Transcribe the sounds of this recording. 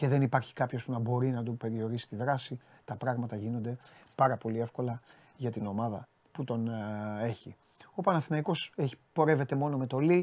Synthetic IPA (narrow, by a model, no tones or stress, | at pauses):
ce̞ðe̞nipɐɾçi̥kɐpço̞spunɐbo̞ɾinɐd̪ope̞ɾio̞ɾisi̥t̪iðɾɐsi | t̪ɐpɾɐɣmɐt̪ɐʝino̞nd̪e̞pɐɾɐpo̞lie̞fko̞lɐ | ʝɐt̪ino̞mɐðɐ | put̪o̞ne̞çi | o̞pɐnɐθinɐiko̞seçi̥po̞ɾe̞ve̞t̪e̞mo̞no̞me̞t̪o̞li